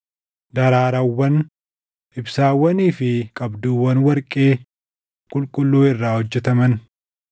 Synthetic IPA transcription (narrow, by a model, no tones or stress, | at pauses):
d̪ɐɾaːɾɐwːɐn | ʔɪbsaːwːɐniːfɪkʼɐbd̪uːwːɐnwɐɾkʼeː | kʼʊlkʼʊlːuːɪrːaːhɔd͡ʒːɛt̪ɐmɐn